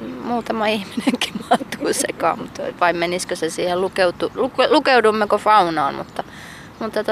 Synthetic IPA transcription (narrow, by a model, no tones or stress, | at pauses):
muːt̪ɑmɑihmineŋki̥mɑt̪ːuːsḛkɑ̰ːmmut̪ʋɑimmeniskøsesiːhellukeut̪uluklukeudumːekofɑunɑːnmṵt̪ːɑ | mut̪ːɑt̪